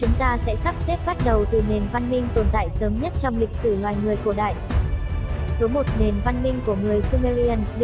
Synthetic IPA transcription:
t͡ɕʊ˨˦ŋ͡mt̪aː˧sɛ̰˧˥sa˦˥p̚sɛ˦˥p̚ɓa˦˥t̚ɗə˨˩wt̪ɨ˨˩ne˨˩nva˧nmï˧ŋ̟t̪o˨˩nt̪a̰ː˧˨jsəː˨˦mɲə˦˥t̚t͡ɕɔ˧wŋ͡mlï˨˩k̚sɨ˧˩lwaː˨˩jŋɨ˨˩əjku˧˩əɗa̰ː˧˨j | so˨˦mo˨˩t̚ne˨˩nva˧nmï˧ŋ̟ku˧˩əŋɨ˨˩əjsu˧ma˧ɾi˧ə˧nɗ

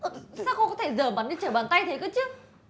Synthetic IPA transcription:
saː˦˥kxə˧kɔ˨˦t̪ʰe˧˩zəː˧˩ma˨˦nɗe˧˦nt͡ɕəː˧˩ɓaː˨˩nt̪a˧jt̪ʰe˨˦kəː˨˦t͡ɕɨ˦˥ək̚

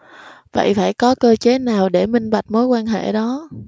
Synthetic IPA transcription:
və̰˧˨jfaː˧˩jkɔ˨˦kəː˧t͡ɕe˨˦naː˨˩wɗe˧˩mï˧ŋ̟ɓa˨˩t̚mo˨˦jkwaː˧nɦḛ˧˩ɗɔ˨˦

